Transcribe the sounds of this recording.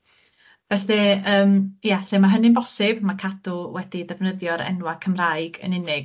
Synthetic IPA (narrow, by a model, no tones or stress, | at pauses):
vɛθɛəːmjaθɛmaɦənɪnbɔsɪbmakʰadʊwɛd̥iðɛvnəðjɔɾɛ̰nwakʰəmrajɡə̰nɪnɪɡ